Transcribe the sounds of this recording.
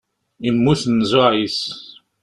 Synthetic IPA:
imːuθnzʊʕis

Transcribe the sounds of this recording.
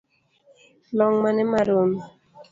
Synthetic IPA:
lɔŋmanɛmaɾom

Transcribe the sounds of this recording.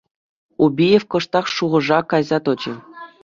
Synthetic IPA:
ubʲijefkɤ̆ʂt̪ɑχʂuʁɤ̆ʐɑkːɑjzɑt̪ɤ̆t͡ɕɤ̆

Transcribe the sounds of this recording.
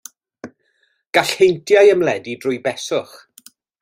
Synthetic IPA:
ɡ̥aɬhejntʰjajəmlɛdidrʊjbɛsʊχ

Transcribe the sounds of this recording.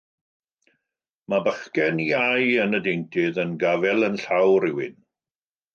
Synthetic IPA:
mabəχkɛniajənədejntʰɪðənɡavɛlˠənɬawɾɪwɪn

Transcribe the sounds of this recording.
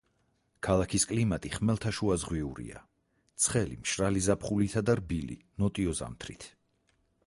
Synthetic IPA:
kʰalˠakʰiskʼlimat̪ʼiχmɛlˠt̪ʰaʃuazʁwiuɾḭa̰ | t̪sʰχɛlḭmʃɾalizapχulit̪ʰad̪aɾbilḭnɔt̪ʼiɔza̰mt̪ʰɾit̪ʰ

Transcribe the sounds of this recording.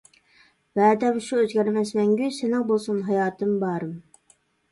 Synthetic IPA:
væːd̪ɛmʃuøzɡʲæɾmɛsmɛŋɡʲysenɪŋbolˠsunɦɑjɑːt̪ʰɨmbɑːɾɨm

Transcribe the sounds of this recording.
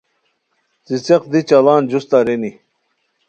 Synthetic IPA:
zit͡seq̚d̪it͡ɕɐlaːnd͡ʑust̪aɾeni

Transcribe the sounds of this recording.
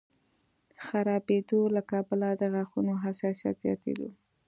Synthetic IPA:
xaɾɑbed̪olakɑbəlad̪əɣaxunoɦasɑsijɑ̰t̪zjɑ̰t̪ḛd̪o̰

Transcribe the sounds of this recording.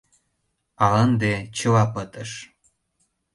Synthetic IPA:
ɑlənd̪et͡ɕə̆wɑpət̪ə̆ʃ

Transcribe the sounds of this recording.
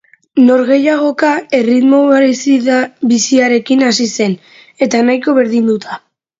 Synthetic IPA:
no̞ɾɣe̞jaɣ̞o̞kae̞rit̪mo̞aɾsiðaβisiaɾe̞kinasise̞n | e̞t̪anajko̞βe̞ɾðind̪ut̪ʰa

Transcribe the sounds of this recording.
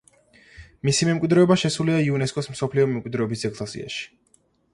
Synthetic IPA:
misimɛmkʼwid̪ɾɛɔbaʃɛsuliaiunɛskʼɔsm̩sɔpʰliɔmɛmkʼwid̪ɾɛɔbisɛkʼlˠasḭa̰ʃi̥

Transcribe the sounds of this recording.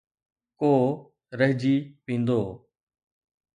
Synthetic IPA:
koː | ɾəɦd͡ʒiːpĩːnd̪oː

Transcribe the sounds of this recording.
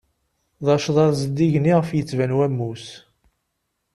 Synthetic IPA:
ðˤɑʃðˤɑðˤzəd̪ːiʝniʁəfjət͡sːvænwæmːus

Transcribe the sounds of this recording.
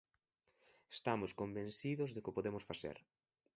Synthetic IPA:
est̪amʊskombẽnsiðʊzðɪkɪpoðemʊsfaθḛɾ

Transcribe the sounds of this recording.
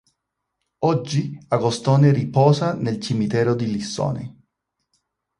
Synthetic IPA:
ɔd͡ʒːiaɡost̪ɔːneripɔːsanelt͡ʃimit̪ɛːɾod̪ilisːo̰ːnḛ

